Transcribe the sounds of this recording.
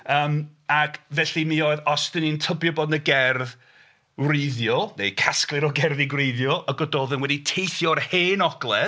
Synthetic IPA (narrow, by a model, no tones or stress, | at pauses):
əːmakʰvɛɬimioɨðɔstənintʰəbjɔbɔdnəɡɛrð | wrejðjɔnejkʰasklˠɨɾɔɡɛrðiɡwrejðjɔʔəɡɔdoːðənwɛditʰejθjɔrheːnɔɡ̥lˠɛ